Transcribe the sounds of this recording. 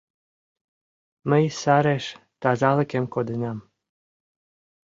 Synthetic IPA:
məjsɑɾeʃ | t̪ɑzɑlə̆kemkod̪ənɑm

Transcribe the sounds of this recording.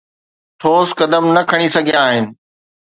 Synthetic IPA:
ʈʰoːskɐd̪əmnɐkʰɐɽ̃isɐɡʱijaːɦɪnɪ̆

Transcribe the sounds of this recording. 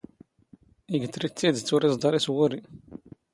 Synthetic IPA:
iɡət̪ːɾit͡sːid̪t͡sːʊɾizˤd̪ɑɾˤiswʊɾi

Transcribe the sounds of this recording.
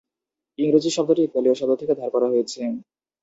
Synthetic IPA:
iŋɾad͡ʑiʃɔb̚d̪oɾek̚balioʃɔd̪oɾt̪ʰeked̪ʱɔɾkɔɾaɦojet͡ɕʰe

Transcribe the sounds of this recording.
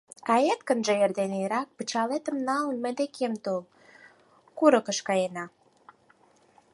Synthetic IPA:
kɑjet̪kənʒə̆erd̪eneɾɑk̚pət͡ɕɑlet̪əmnɑlnmĕd̪ekʰemt̪ol | kuɾə̆kəʃkɑjenɑ

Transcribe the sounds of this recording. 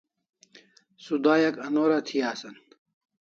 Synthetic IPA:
sud̪aːjɐkɐnoːɾat̪ʰijaːsɐn

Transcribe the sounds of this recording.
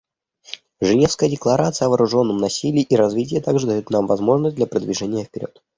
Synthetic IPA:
ʐɨnʲe̞fskəjədʲɪklˠɐɾʔat̪sɨjəɐvəːɾʊʐo̞nːəmnɐsʲilʲɪːʔiɾɐzvʲitʲɪjət̪aɡʐɨd̪ɐjut̪namvɐzmo̞ʐnəsʲtd̪lʲɐpɾəd̪vʲɪʐɛnʲɪjəfʲpʲɪɾʲʔo̞̰t̪

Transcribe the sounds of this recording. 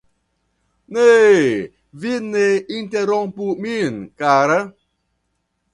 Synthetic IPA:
ne | vitnein̩teɾɔŋpuminkaɾə

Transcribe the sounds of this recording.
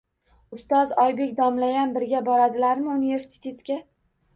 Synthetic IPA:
ʊst̪ɒzɒjbe̞kʲd̪ɒmlajanbɪɾɡʲabɒɾad̪ɪlaɾmɪunive̞ɾsɪ̥t̪ʰe̞t̪kʲa

